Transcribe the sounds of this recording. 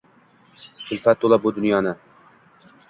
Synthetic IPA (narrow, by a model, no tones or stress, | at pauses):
sʰʊlfat̪̚ːolˠabʊd̪ʊnjɒnɪ